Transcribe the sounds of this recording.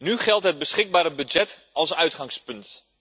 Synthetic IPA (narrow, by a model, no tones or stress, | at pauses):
nyχɛlˠtɦəd̚bəsχɪɡ̚baːɾəbyd͡ʒɛt | ɑlˠsœɥtχɑŋspɵnt